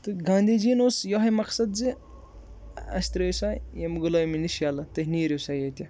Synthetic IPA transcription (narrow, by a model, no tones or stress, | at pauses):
t̪ɨɡãːnd̪iːd͡ʒiːnoːsjɔɦɐjmɐqsɐd̪zi | ɐ̰sʲt̪ɾɐːjsaːjemuɡulɐjminiʃjaːlɐt̪ɐɦniːɾisajeːt̪ʲɐ